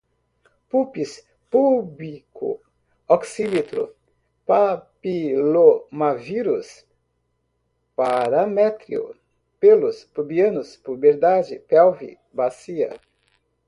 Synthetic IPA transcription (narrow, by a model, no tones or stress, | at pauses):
pupis | publikʊ̰ | ɔksimet̪ɾʊ̰ | papilomaviɾus | paɾamɛt̪ɾḭṵ | pelʊspubiɐ̃nʊspubeɾd̪ad͡ʒɪpɛwvḭ | basiɐ̰